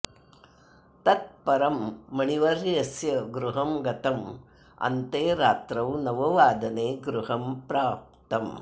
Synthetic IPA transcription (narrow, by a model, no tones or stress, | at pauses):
t̪ɐt̪̚pɐɾɐmːɐɳiʋɐɾjɐsjɐɡɾuɦɐmɡɐt̪ɐm | ɐ̰nt̪eːɾaːt̪ɾɐwnɐʋɐʋaːd̪ɐneːɡɾuɦɐmpɾaːp̚t̪ɐm